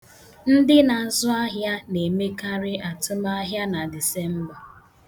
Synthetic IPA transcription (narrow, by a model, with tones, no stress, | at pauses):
n̩˦dɪ˦na˨zʊ˦a˦ɦja˦ne˨me˦ka˦ɾɪ˦a˨tʊ˦ma˦a˦ɦja˦na˨dɪ˨se˦m̩˦bɔ˨